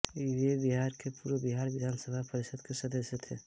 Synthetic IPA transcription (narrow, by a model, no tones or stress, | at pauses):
ebiɦaɾkepuːɾəbiɦaɾʋid̪ʱansəbʱapəɾisəd̪kesəd̪əsjet̪ʰe